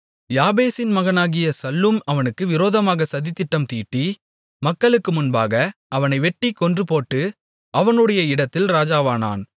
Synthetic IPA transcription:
jaːbeːsɪnmɐɣɐnaːɣɪjɐsɐlːɯmɐʋɐnɯkːɯʋɪɾoːðɐmaːɣɐsɐðɪt̪ːɪʈːɐmt̪iːʈːi | mɐkːɐɭɯkːɯmʊnbaːɣɐɐʋɐnɐɪʋɛʈːikɔndrɯpoːʈːɯ | ɐʋɐnɯɽɐjɐɪɽɐt̪ːɪlɾaːd͡ʒaːʋaːna̰ːn

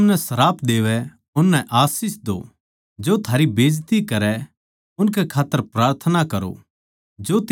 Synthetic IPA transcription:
nɛsɐɾaːpʰd̪eːʋɛ | ʊnːɛʔaːsɪsd̪o̰ | d͡ʒoːt̪ʰaːɾibeːd͡ʒt̪ikɐɾɛ | ʊnkɛkʰaːt̪ːəɾpɾaːɾt̪ʰnakɐɾo̰ | d͡ʒoːt̪

